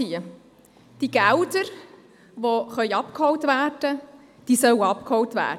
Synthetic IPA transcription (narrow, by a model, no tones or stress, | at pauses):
iə | d̥iɡ̥æʊdəɾ | ʋoχœʏɑpkhɔwtʋæːrd̥ə | d̥iːsœwɑp̚khɔwtvæ̰ː